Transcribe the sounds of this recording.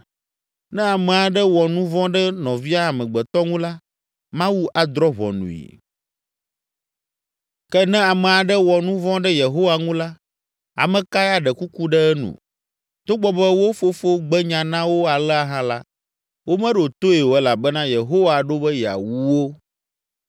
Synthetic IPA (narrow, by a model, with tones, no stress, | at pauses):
nɛ̃˦a˨mɛ̃˨a˨ɖɛ˦wɔ˨nũ˦vɔ̃˦ɖɛ˦nɔ̃˨vi˦a˦˨mɛ̃˨ɡ͡bɛ˨t̪ɔ˦ŋũ˦la˦ | mã˦wu˦ʔa˨d̪ɾɔ˦βɔ̰˨nṵ̃˨ḭ˨ | kɛ˦nɛ̃˦a˨mɛ̃˨a˨ɖɛ˦wɔ˨nũ˦vɔ̃˦ɖɛ˦je˨ɦo˦wa˨ŋũ˦la˦ | a̰˨mɛ̃˨ka˦ja˨ɖɛ˨ku˦ku˦ɖɛ˦ɛ˦nṵ̃˨ | t̪o˦ɡ͡bɔ˦bɛ˦wo˦fo˦fo˦ɡ͡bɛ˦ɲã˨nã˦wo˦a˨lɛ˦a˨ɦã˦la̰˦ | wo˦mɛ̃˦ɖo˨t̪o˦e˨wo˨ɛ˦la˨bɛ˦nã˦je˨ɦo˦wa˨ɖo˦bɛ˦ja̰˨wu˦wo˦